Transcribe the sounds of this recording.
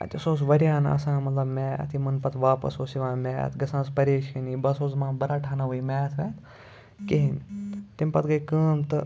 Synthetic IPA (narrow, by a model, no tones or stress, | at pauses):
ɐ̰t̪ʲɐsoːs̬ʋɐɾʲjaːnɐ̰sãːmɐt̪lɐbmɛːɐ̰t̪ʰimɐnpɐt̪ʰʋaːpɐ̰soːsiʋãːmʲɛ̰ːt̪ʰɡɐsãːspɐɾeːʃɐniːbɐsoːzmãːbɐɾaːʈʰaːnaʋuimʲaːt̪ʰʋɛːt̪ʰ | keɦint̪imʲpɐt̪ʰɡɐjkəːmt̪ɨ